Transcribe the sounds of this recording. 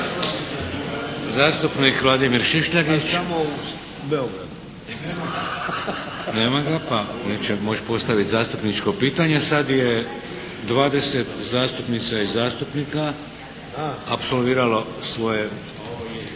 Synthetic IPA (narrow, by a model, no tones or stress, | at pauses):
zaːst̪upnikʋlˠaːd̪imiɾʃiʃʎaɡit͡ʃamo | beoɡɾad̪u | neːmaɡapaneːt͡ɕemo̞t͡ʃpo̞st̪aʋit̪zaːst̪upnit͡ʃko̞piːt̪aɲe̞sad̪je | d̪ʋaːd̪e̞set̪zaːst̪upnit̪saizaːst̪upnika | apso̞lʋiːɾalo̞sʋo̞je